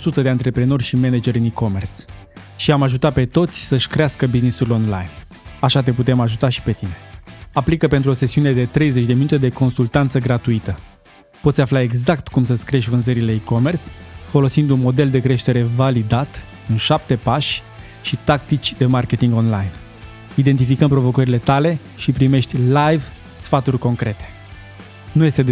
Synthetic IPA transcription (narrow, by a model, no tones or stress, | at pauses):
sut̪əd̪eant̪ɾe̞pɾe̞no̞rʲʃime̞ned͡ʒe̞ɾɨniko̞me̞rs | ʃiamaʒut̪ape̞t̪o̞t̪sʲsəʃʲkɾeaskəbiznisulo̞nla̰jn | aʃat̪̬e̞put̪e̞maʒut̪aʃi̥pe̞t̪ine̞aplikəpe̞nt̪ɾuo̞se̞siune̞d̪e̞t̪ɾe̞jze̞t͡ʃʲd̪e̞minut̪e̞d̪e̞ko̞nsult̪ant̪səɡɾat̪uit̪ə | po̞t̪sʲaflae̞ɡzakt̪kumsəskɾieʃvɨnzəɾile̞iko̞me̞rsfo̞lo̞sind̪unmo̞d̪e̞ld̪e̞kɾe̞ʃt̪e̞ɾe̞valid̪at̪ | ɨnʃap̚t̪e̞paʃʲ | ʃit̪ak̚t̪it͡ʃʲd̪e̞marke̞t̪iŋɡo̞nlajn | id̪e̞nt̪̬ifikəmpɾo̞vo̞kəɾile̞t̪ale̞ | ʃipɾime̞ʃt̪ʲlajv | sfat̪urʲko̞ŋkɾe̞t̪e̥ | nuje̞st̪ed̪